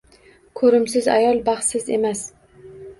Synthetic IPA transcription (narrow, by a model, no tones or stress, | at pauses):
kʰɵɾɪmsɪza̰jɒlˠbɑχsɪzḛmas